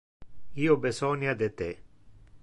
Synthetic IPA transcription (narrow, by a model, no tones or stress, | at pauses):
iːobesɔnjad̪et̪e